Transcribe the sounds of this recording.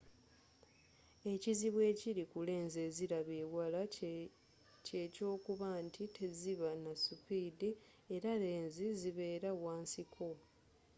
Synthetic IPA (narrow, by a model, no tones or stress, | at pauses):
e̞ciziβwe̞ːciɾikule̞ːnze̞ziɾaβeːwala | ce̞co̞ːkuβaːntʰitʰe̞ziβanasupiːdi | eɾaɾe̞ːnziziβe̞ːɾawaːnsikʰo̞